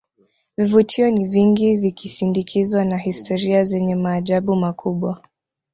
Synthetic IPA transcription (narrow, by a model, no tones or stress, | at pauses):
vivutʰiɔniviŋɡivikisindikʰizwanahistʰɔɾiazɛɲɛmaːʄaɓumakʰuɓwa